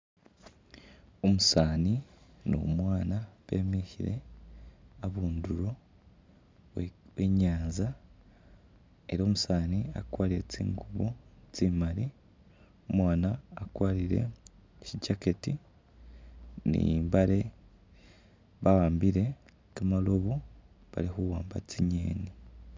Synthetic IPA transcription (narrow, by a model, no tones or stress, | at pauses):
omusaːni | no̰mwaːnaβe̞̰ːmiçiɾe̞̰ | aβuːnduɾo̞ | weɲaːnza | e̞ɾo̞ːmusaːnia̰kwaːɾie̞̰t͡sḭːŋɡuβut͡siːmaɾi | omwaːnaːkwaːɾiɾe̞̰ | ʃiɟaketi | nḭmbaɾe̞ | βawaːmbiɾe̞ | kamaloβo | βa̰lihuwaːmbat͡siɲḛːni